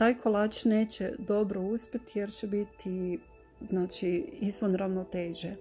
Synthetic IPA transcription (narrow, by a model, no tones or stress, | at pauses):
t̪aːjkʰolˠaːt͡ʃneːt͡ɕed̪o̞bɾouspʲjet̪jeɾt͡ɕebit̪ʰi | znaːt͡ʃiizʋonɾaʋnot̪eːʒe